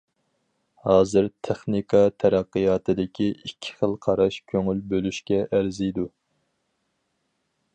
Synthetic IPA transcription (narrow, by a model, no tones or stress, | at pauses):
hɑːzɨɾt̪ʰeχnikʰɑt̪ʰæɾæqːɨjɑːt̪ʰɨd̪ɪkʲʰiikʲʰːɪ̥χəlˠqʰɑɾɑʃkʲʰøŋylbølyʃkʲɛʔæɾzɪjd̪u